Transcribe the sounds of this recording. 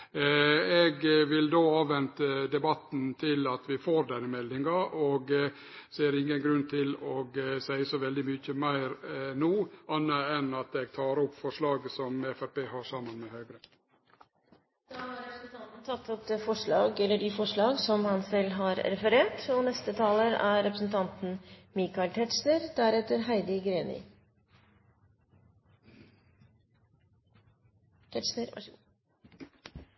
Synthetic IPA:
ɛɡʋɪld̪oːɑːʋʋɛnt̪əd̪ɛbɑt̪nt̪ʰɪlɑt̪ʋɪfoːɾd̪ɛnːəmɛlːɪŋɑʔɔɡ | seːɾɪŋːənɡɾʉnt̪ʰɪlɔɡsæɪəsɔʋɛld̪ɪmyçəmæɪɾnuːɑnːəɛnɑt̪ɛɡ̚t̪ʰɑːɾɔpːfɔʂɭɑːɡsɔmɛfæpeːɦɑsɑːmɑnmɛhøːɡɾə | d̪̥ɑːhɑːɾɾɛpɾsn̩t̪ʰɑnt̪n̩t̪ʰɑt̪ʰːɔp̚d̪eːfɔʂɭɑ̰ːɡɛlːəɖɪfɔʂɭɑːɡsɔmhɑnsɛlːɦɑɾɾɛfəɾeːʈɔnɛst̪ət̪ʰɑːləɾæɾɛpɾəsn̩t̪ʰɑnt̪n̩mikɑɪlt̪ʰɛt̪ʂnəɾd̪æɾɛt̪əɾɦæɪd̪ɪɡɾeːnɪ̰ | t̪ʰɛʂnəɾɑ̰

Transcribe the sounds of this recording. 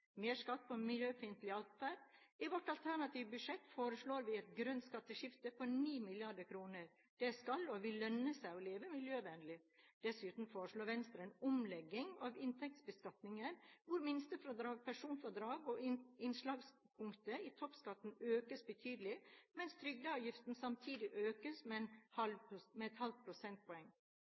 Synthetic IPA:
meːʂkɑt̪̚ːpʰɔmɪljøːbəfɪnt̪lɪɑlt̪fæɖ | ɪʋɔʈɑlt̪ʰæɳɑt̪ʰiːʋbʉʂɛt̪ːfoːɾəʂɭoːɾʋɪɛt̪ɡɾœnt̪skɑt̪ːəʃɪft̪əpʰɔniːmɪlɪɑɖəkʰɾuːnəɾ | d̪̥ɛskɑlɔʋɪlœnːəsæɪɔleːʋəmɪljøːʋɛnəlɪd̪̥ɛsʉːt̪n̩foːɾəʂɭoːɾʋɛnst̪ɾənʊmlɛɡːɪŋɑːʋɪnt̪ʰɛk̚t̪sbəskɑt̪nɪŋəɾʋʊɾmɪnst̪əfɾɔd̪ɾɑːɡpʰæʂuːnfɔd̪ɾɑːɡɔɪnʂɭɑːɡs | pʰʊŋkt̪əɪt̪ʰɔpskɑt̪ːn̩øːkəsbət̪ʰyːd̪əlɪmɛnst̪ʰɾʏɡ̚d̪əɑːʋjɪft̪n̩sɑmt̪ʰiːd̪ɪʔøːkəsmɛɛnhɑlmɛɛt̪hɑlpʰɾʊsɛnt̪̚pʰɔɛŋː

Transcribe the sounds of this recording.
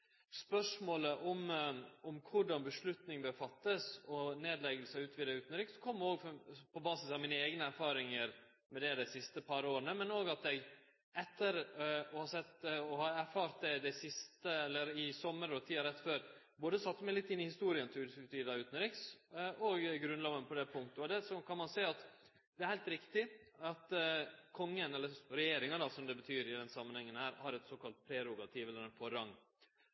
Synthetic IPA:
spœʂmoːləʔɔmɔmkʰʊɖɑnbəʂɭʉt̪nɪŋb̪əɾfɑt̪ːəsɔneːd̪lɛɡəlsɑʉːt̪ʋiːd̪ɑʉːt̪nɾɪkskʰɔmːoːɡpʰɔbɑːsɪsɑʋmiːnəeːɡnəæɾfɑːɾɪŋəɾ | mɛd̪ɛd̪ɛɪsɪst̪əpʰɑɾoːɾənəmɛnoːɡɑt̪ɛɡ | ɛt̪ːəɾɔhɑsɛt̪ːɔhɑæɾfɑːɾt̪̚d̪ɛd̪æsɪst̪əɛlːəɾɪsɔmːəɾɔt̪ʰiːɑɾɛt̪ːføːɾ | boːd̪əsɑt̪ːmɛlɪt̪ːɪnːɪhɪst̪uːɾɪənt̪ʰɪʉd̪ɪskɾɪpt̪ʰyːɾd̪ɑʉːt̪nəɾɪksʔɔɡɡɾʉnlɑːʋənəpʰɔd̪ɛpʰʊŋk̚t̪əɔd̪ɛsɔkʰɑnmɑnsæɪɑt̪ | d̪̥ɛæɾhæɪlt̪ɾɪkt̪ɪɑt̪kʰɔŋːənɛlːəɾɾɛjeːɾɪŋɑd̪ɑsɔmd̪ɛbət̪ʰyːɾɪd̪ɛnsɑmːənhɛŋːənhæːɾhɑɾɛt̪soːkɑlt̪̚pʰɾɛɾʊɡɑt̪ʰiːʋɛlːəɾɛnfɔɾɑŋː

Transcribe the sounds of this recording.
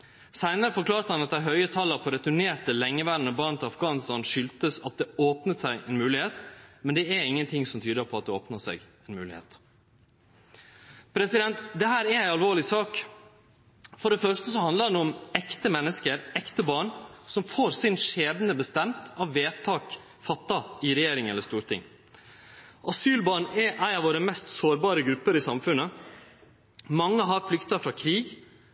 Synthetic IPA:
sæɪnəɾəfɔɾkʰlɑːɾt̪əhɑnɑt̪d̪æɪɦœʏət̪ʰɑləɾpʰɔɾɛt̪ʉɳeːɾt̪əlɛŋːəʋæɖnəbɑːɳnt̪ʰɪlɑfɡɑːnɪst̪ɑnʂʏlt̪əsɑt̪̚d̪ɛoːpnət̪sæɪʔɛnmʉːlɪheːt̪mɛnd̪ɛæɾɪŋːənt̪ʰɪŋsɔmt̪ʰyːd̪əɾpʰɔɑt̪̚d̪ɛo̰ːpnəsɛ̰ɡɛnmʉ̰ːlɪ̰hḛːt̪ | pʰɾɛsɪd̪ɛnt̪d̪ɛɦæːɾæɾæɪɑlʋoːɾɭɪsɑːk | fɔɖɛfœʂʈəsɔhɑnd̪ləɾnɔmɛkt̪əmɛnːəskəɾɛkt̪əbɑːɳsɔmfoːɾsɪnʂeːd̪nəbəst̪ɛmt̪ʰɑʋʋeːt̪ʰɑːk | fɑt̪ːɑɪɾɛjeːɾɪŋɛləʂt̪uːɾt̪ʰɪ̰ŋ | ʔɑsyːlbɑːɳɛʔæɪɑʋoːɾəmɛst̪soːɾbɑːɾəɡɾʉpːəɾɪsɑmfʉnːə | mɑŋːəɦɑɾflʏkt̪ɑfɾɑkʰɾiːɡ

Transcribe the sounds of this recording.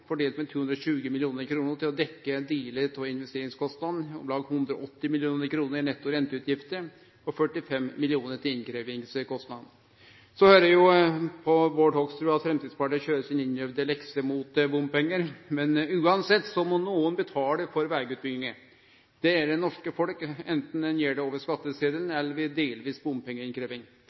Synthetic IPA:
fɔɖeːlt̪mɛt̪ʰuːɵnd̪ɾɔɕʉːɡəmɪlɪuːnəɾkʰɾuːnəɾʈ̪ɪlɔd̪ɛkːəd̪iːlət̪ʰɔɪnʋɛst̪eːɾɪŋskɔst̪nɑd̪nɔ̰mlɑːɡhʉnd̪ɾɔʔɔt̪ːɪmɪlɪuːnəɾkʰɾuːnəɾɪnɛt̪ːʊɾɛnt̪əʉːt̪ʰjɪft̪əɾ | ɔfœʈːɪfɛmmɪlɪuːnəɾʈɪɪnkʰɾeːʋɪŋskɔst̪nɑd̪n̩ | sɔhøːɾəjʊpʰɔʋoːʈhɔkst̪ɾʉːɑt̪fɾɛmt̪id̪spɑʈiçøːɾəsɪnɪnjœʋd̪əlɛksəmʊt̪bʊmpɛŋːəɾmɛnʉːɑnsɛt̪ːsɔmɔnuːənbət̪ʰɑːɖɛfɔɾʋæːɾɡʉːt̪̚bɪɡnɪŋə | d̪̥ɛæɖɛnɔʂkəfɔlkɛnt̪n̩ɛnjeːɖɛoːʋəʂkɑt̪ːəseːd̪əlnɛlːəɾʋɪd̪eːlʋiːsbʊmpʰɛŋːəɾɪnkʰɾeːʋɪŋ

